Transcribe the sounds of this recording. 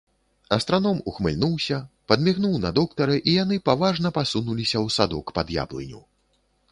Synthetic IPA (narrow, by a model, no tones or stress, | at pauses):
ɐst̪ɾan̪ɔmuxmɨlʲnuwsʲɐpɐd̪mʲiɣnuwnɐd̪ɔkt̪ɐɾɨʔijanɨpavaʐnɐpasunulʲisʲɐwsad̪ɔkpɐd̪ja̰blˠɨ̰nʲu